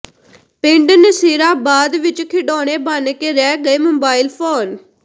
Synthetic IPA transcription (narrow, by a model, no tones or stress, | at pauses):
pɪɳɖnəsiːɾaːbaːd̪ʋɪt͡ʃkʰɪɖoːɽ̃eːbaːnkeːɾɛːɡəeːmoːbaːiɪlpʰoːn